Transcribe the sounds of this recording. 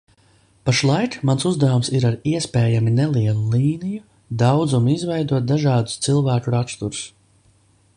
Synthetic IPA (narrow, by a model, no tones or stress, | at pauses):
paʃlˠajkmansuzd̪avumsiɾaɾiɛspɛːjaminɛlˠiɛlˠuliːniju | d̪awd̪zumizvɛjd̪uɔt̪̚d̪aʒɑːd̪u̥st̪silˠvæːkuɾakst̪uɾus